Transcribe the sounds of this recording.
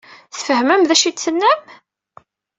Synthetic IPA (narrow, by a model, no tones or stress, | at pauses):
θfəhməmðæʃit͡sːənːæm